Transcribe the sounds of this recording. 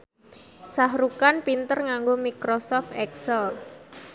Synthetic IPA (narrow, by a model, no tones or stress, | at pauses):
saɦɾukanpint̪ərŋaŋɡomikɾosɔft̪ɛksəl